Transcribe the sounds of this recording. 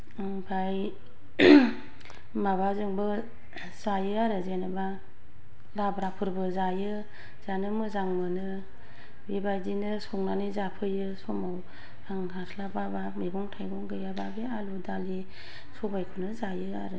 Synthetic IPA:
ŋbʰaj | maβazɯŋbɯ | z̥ajɯaɾɯzenɯba | labɾapʰɯɾbɯzajɯ | z̥anɯmɯzaŋmɯnɯ | bibajdinɯsɔŋnanizapʰɯjɯsɔmaw | hʰaŋhasʰlababamiɡɔŋtʰajɡɔŋɡɯjababealudali | sɔbajkʰɯnɯzajɯa̰ɾɯ

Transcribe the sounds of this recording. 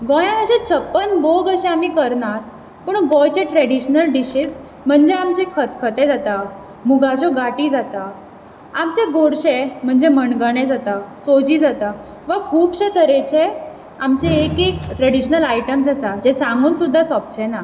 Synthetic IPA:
ɡɔjãt̪əɕẽt͡sʰəpːənboɡəɕẽamiːkəɾnat̪ | pəɳɡɔjt͡ɕeʈɾeɽiɕnəlɖiɕid͡z | m̤əɳd͡ʑeamt͡ɕekʰət̪kʰət̪ed͡zat̪a | muɡʱat͡ɕɔɡaʈiːd͡zat̪a | amt͡ɕeɡʱoɽɕem̤əɳd͡zeməɳɡəɳ̃ẽd͡zat̪asod͡ʑiːd͡zat̪a | ʋəkʰuːpɕet̪ʰəɾet͡ɕʰe | amt͡ɕeːkekʈɾəɽiɕnəlajʈəmsasad͡ʑesãŋɡuːnsud̪ʱːasɔp̚t͡ɕʰena

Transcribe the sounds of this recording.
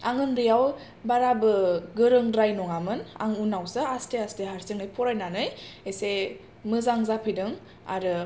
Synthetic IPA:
aŋɯnɾɯjaw | baɾabɯɡɯɾɯŋdɾajnɔŋamɯna̰ŋunawsɯasteasteɦaɾsɯŋnɯjpʰɔɾajnanɯjese | mɯzaŋzapʰɯjdɯŋ | a̰ɾɯ

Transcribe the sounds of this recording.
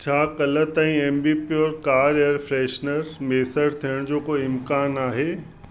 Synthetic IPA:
t͡ɕʰaːkɐlət̪ãĩeːmbipiɔːɾkaːɾeəɾfɾeːʃnəɾmeːsəɽt̪ʰijəɽ̃d͡ʑoːkoɪmkaːnaːɦeː

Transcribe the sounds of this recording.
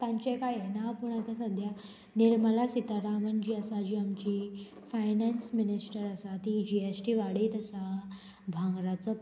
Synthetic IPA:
t̪ãɲt͡ɕekajenapuɳat̪asəd̪ʱja | niɾməlasit̪aɾamənd͡ʑiːəsad͡ʑiːamt͡ɕiː | fajnansminisʈəɾəsat̪id͡ʑiesʈiʋaɽiːt̪əsa | bʱãŋɡɾat͡sə

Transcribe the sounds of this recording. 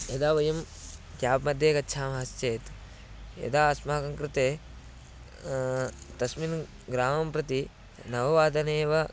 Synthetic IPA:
jɐd̪aːʋɐjɐm | kjaːpmɐd̪ʱjeːkɐtːʃʰaːmɐɦɐst͡ʃeːt̪ | jɐ̰d̪aːɐsmɐːkɐŋkɾɪt̪eː | t̪ɐsmin | ɡɾaːmɐmpɾɐt̪i | nɐʋɐʋaːd̪ɐneːʋɐ

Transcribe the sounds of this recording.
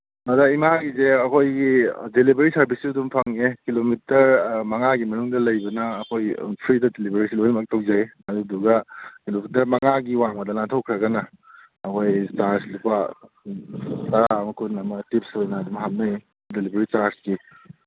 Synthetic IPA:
mɐdɐimaɡizeɐkʰojɡidelibeɾisɐɾbʱisidumpʰaŋekilomitɐɾmɐŋaɡimɐnuŋdɐlɐjbɐnɐːkʰojpʰɾidɐdelibeɾisilunmak̚tɐwzajɐduduɡɐkilomitɐɾmɐŋaɡiwaŋbɐdɐlaŋtʰowkʰɾɐɡɐnɐː | kʰojt͡ʃaɾslupa | tɐɾaɐmɐkʰunɐmɐtip̚sojnɐːdumɦap̚nɐj | delibʱeɾit͡ʃaɾsɡi

